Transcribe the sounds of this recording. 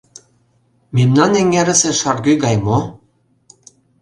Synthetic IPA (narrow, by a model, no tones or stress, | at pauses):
memnɑnĕŋɡæɾɘ̆sĕʃɑrɣyɣɑjmo